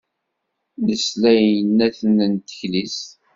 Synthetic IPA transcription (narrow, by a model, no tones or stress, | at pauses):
nəslæjənːæθənənt̪ə̥çlis